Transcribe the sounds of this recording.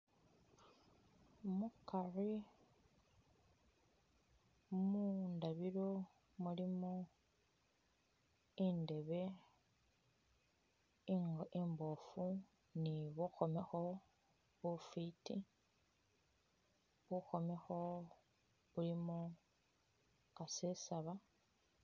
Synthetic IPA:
mukari | mundaβiɾo | mulimo | inde̞βe | ŋimbo̞fu | niβuxo̞mexo̞ | βufiti | βuxo̞mexo̞ | βulimo | kasesaβa

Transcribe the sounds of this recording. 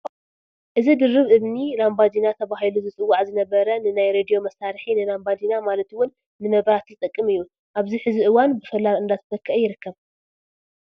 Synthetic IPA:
ʔɨzid̪ɨɾːɨβʔɨβnilambad̪inat̪ʰɐβaɦiluzɨt͡sʼɨwːaʕzɨnɐβɐɾɐnɨnajɾed̪ijo̞mɐsaɾħinɨlambad̪inamalɐt̪wʊnː | ɨmɐβɾat̪zɨt̪ʼɐkʼːɨmɨjːu | ʔaβziħɨziʔɨwanbɨfɐlalɨnd̪at̪ɨt̪ʰɐkʰːɨʔjɪɾɨkːɐβ

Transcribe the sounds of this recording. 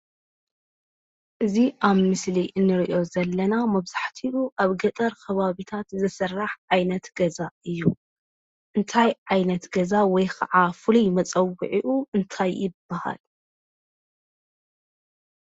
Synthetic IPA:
ʔɨziʔaβmɨsliʔɨnːɨɾiʔo̞zɐlːɐnamɐβzaħt̪ʰiʔuʔaβɡɐt̪ʼɐɾkʰɐβaβit̪ʰat̪zɨsɐrːaħʕajnɐt̪ɡɐzaɨjːu | ʔɨnt̪ʰajʕajnɐt̪ɡɐzawɔjkʰɐ̰ʕafɨlujmɐt͡sʼɐwːɨ̰ʕiʔuɨnt̪ʰajːɪb̥ːaha̰l

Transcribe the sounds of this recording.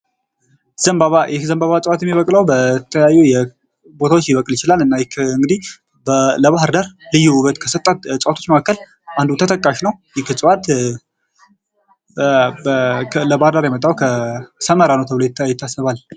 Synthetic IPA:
z̥əmbaβajɛzəmbaβat͡sʼəwat̪jɛmːiβəkʼləwbət̪t̪ʰəjajːujɛ | bo̞t̪ʰawot͡ʃːjɪβəkʼljɪt͡ʃɪlalɨnːajkʰɨŋɡɨd̪ih | bələβaɦɾd̪aɾlɨjːuuβət̪kʰəsɨt̪ʼːat̪t͡sʼəwat̪ʰot͡ʃməkʰakːəl | ʔand̪ut̪ʰət̪ʰʼəkʼːaʃnəwjɛkɨt͡sʼəwat̪ | bʰləbahɾdaɾjɛmət̪ʼːawkʰəsəməɾanəwt̪ʰəβlajɪt̪ːjɪt̪ʰːasəβal

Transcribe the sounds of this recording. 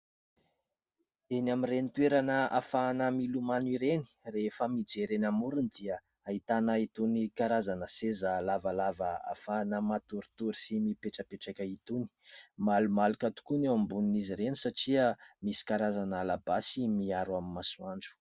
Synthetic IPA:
enamirenit̪weɾanəa̰fanəmilumaniɾeni̥refəmid͡zeɾenamuɾunid̪iə | ait̪anəit̪unikaɾazanəsezəlavalavəa̰fanəmat̪uɾit̪uɾi̥simipeʈ͡ʂəpeʈ͡ʂakʲait̪uni̥malumalukat̪u̥kunewambuniniziɾenisaʈ͡ʂiəmisi̥kaɾazanalabasimiaɾwamimasuaɳɖ͡ʐu̥

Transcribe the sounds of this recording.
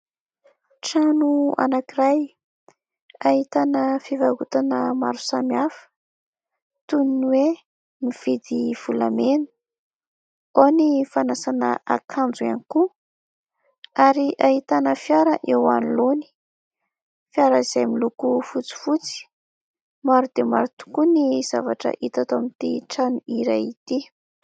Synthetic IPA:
ʈ͡ʂanua̰nakiɾaj | aɦit̪anəfivaɦut̪anəma̰ɾu̥samiafə̥ | t̪uniniwe | niv̥id̪iv̥ula̰menu̥ | onifanasanə̰ʔa̰kʰand͡zuaniku | aɾiʔaɦit̪anəfjaɾəʔewa̰niloni̥ | fjaɾəiz̥emilukufut͡si̥fut͡si̥ | maɾud̪̥ema̰ɾut̪u̥kuniz̥avaʈ͡ʂə̰ʔit̪at̪omint̪iʈ͡ʂanuʔiɾajit̪i

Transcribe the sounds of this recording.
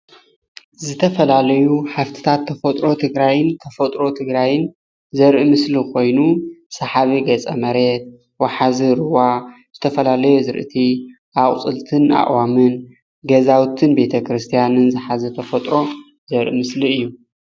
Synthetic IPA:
zɨt̪ʰɐfɐlalɐjuħaft̪ʰi̥t̪ʰat̪ʰːɐfɐt̪ʼɾo̞t̪ʰɨɡɾajɨnt̪ʰɐfɐt̪ʼɾo̞t̪ʰɨɡɾajɪn | zɐɾʔɨmɨslikʰo̞jnusɐħaβiɡɐt͡sʼɐmɐɾe̞t̪̚ | waħaziɾɨwaz̥ɨt̪ʰɐfɐlalɐjozɨɾʔɨ̰t̪ʰi | ʔaχʼt͡sʼɨlt̪ʰɨna̰ʔʼwamɨn | ɡɐzawt̪ʰɨnbe̞t̪ʰɐkɾɨst̪ʰijanɨnzɨħazɐt̪ʰɐfɐt̪ʼɾo̞ | zɐɾʔɨ̰mɨsliɨjːu

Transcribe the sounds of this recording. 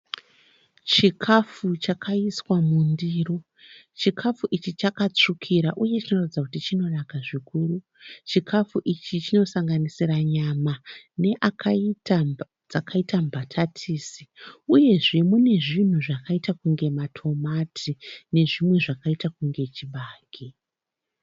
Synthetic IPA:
t͡ʃikʰafut͡ʃakʰaiswamundiro̞ | t͡ʃikʰafuʔit͡ʃit͡ʃakat͡ʂukʰiɾaʔuje̞t͡ʃino̞ratid͡zakutit͡ʃino̞nakaʐikuːru | t͡ʃikʰafuʔit͡ʃit͡ʃino̞saŋɡanisiraɲamaneʔaa | d͡zakaitambʱatʰatʰiːsiuje̞ʐe̞mune̞ʐin̤uʐakaitakuŋɡe̞matʰo̞matʰine̞ʐimwe̞ʐakaitakuŋɡe̞t͡ʃiɓaːki

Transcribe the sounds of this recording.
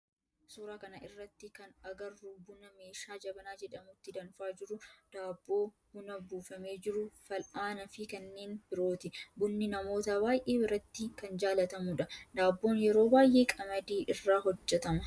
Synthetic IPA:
suːɾaːkɐnɐɪrːɐt̪ːɪkɐnɐɡɐrːubʊnɐme̞ːʃaːd͡ʒɐbɐnaːd͡ʒɛᶑɐmʊt̪ːɪd̪ɐnfaːd͡ʒɪɾʊd̪̥aːbːo̞ː | hʊnɐbuːfɐme̞ːd͡ʒɪɾʊfɐlʔaːnɐfɪkɐnːeːnb̥ɪɾo̞ːt̪ɪbʊnːɪnɐmo̞ːt̪ɐbaːjʔe̞ːbɪɾɐt̪ːɪkɐnd͡ʒaːlɐt̪ɐmʊᶑɐd̪aːbːo̞ːnjɛɾo̞ːbaːjʔe̞ːkʼɐmɐd̪iːʔɪrːaːɦɔd͡ʒːɛt̪ɐmɐ

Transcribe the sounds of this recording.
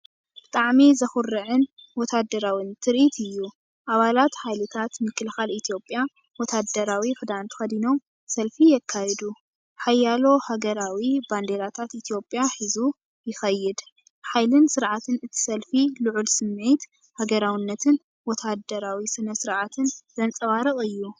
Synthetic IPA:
b̥ɨt̪ʼaʕmizɐxʊɾːɨʕɨnwɔt̪ʰad̪ɐɾawint̪ʰɨɾʔit̪ʰɨjːu | ʔaβalat̪ħajlɨt̪ʰat̪mɨkʰːɨlɨxalit̪ʰjo̞pʼja | wɔt̪ʰad̪ɐɾawifɨd̪ant̪ʰxɐd̪ino̞m | sɐlfijɛkʰːajɛd̪u | ħajːalo̞haɡɐɾawiband̪e̞lat̪ʰat̪it̪ʰjo̞pʼjaħizu | jɪxɐjːɪd̪ | ħajlɨnsɨɾʕat̪ʰɨnɨt̪ʰi̥sɐlfiluʕulsɨmːe̞t̪ | haɡɐɾawinːɐt̪ʰɨn | wɔt̪ʰad̪ɐɾawisɨnɐsɨɾʕat̪ʰɨnzɐnt͡sʼɐβaɾɨχʼɨjːu

